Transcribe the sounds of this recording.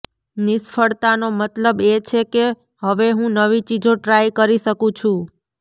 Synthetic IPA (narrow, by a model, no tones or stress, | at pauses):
nɪsfʰəɭt̪anomət̪ləbet͡ʃʰeke | ɦəʋeɦũnəʋit͡ʃid͡ʒoʈɾajkəɾiʃəkũt͡ʃʰũ